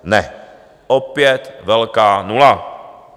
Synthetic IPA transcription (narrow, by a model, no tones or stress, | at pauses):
nɛ | ʔopjɛt̪vɛlkaːnula